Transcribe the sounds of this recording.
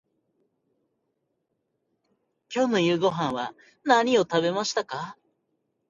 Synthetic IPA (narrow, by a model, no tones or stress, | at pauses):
kʲo̞ːno̞jɯ̟ːɡo̞ɦãɰ̃βa̰ | naɲ̟io̞t̪aβe̞maɕi̥t̪aka